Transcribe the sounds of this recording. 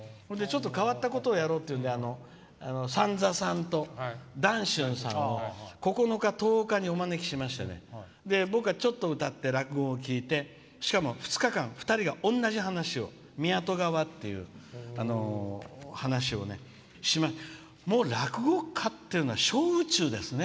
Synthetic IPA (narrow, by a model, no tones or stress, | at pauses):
kod̪e̞t͡ɕo̞t̪ːo̞kaβat̪ːako̞t̪oːjaɾo̞ːt̪ːeiɯ̟nd̪eano̞ | a̰nosãnd͡zasãnt̪o̞d̪ãɰ̃ɕɨ̃ɰ̃sã̰nːoko̞ko̞no̞kat̪o̞ːkaɲ̟io̞mane̞kʲi̥ɕimaɕi̥t̪a̰nḛ | d̪e̞bokɯ̟βat͡ɕo̞t̪ːo̞ɯ̟t̪at̪ːe̞ɾakɯ̟ɡo̞ːkʲiːt̪e̞ | ɕi̥kamo̞ɸɯ̟̥t͡sɨ̥kakãɰ̃ɸɯ̟̥t̪aɾʲiɡaʔõ̞nːaʑihanaɕio̞̰ | mʲiat̪o̞ɡaβat̪ːe̞jɯ̟̰ano̞ | hanaɕ̬io̞̰ne̞̰ | ɕimaɕ | mo̞ːɾakɯ̟ɡo̞kʰat̪ːeɾɯnoaɕo̞ːɯ̟t͡ɕɨːd̪e̞sɨne